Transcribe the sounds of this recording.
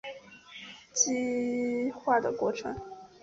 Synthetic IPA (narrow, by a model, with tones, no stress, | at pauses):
t͡ɕi˥ | xwa˥˩d̪ə̰˩kwɔ˥˩ʈ͡ʂʰɤ̰˧˥˦ŋ